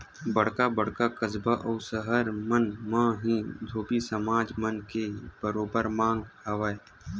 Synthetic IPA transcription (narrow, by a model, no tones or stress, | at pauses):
bɐɽ̤kabɐɽkakəzbaʔɔːsəɦəɾmənmãːɦĩːd̪ʱoːbisəmaːd͡ʒmənkeb̥əɾoːbəɾmãːŋɡhɐʋae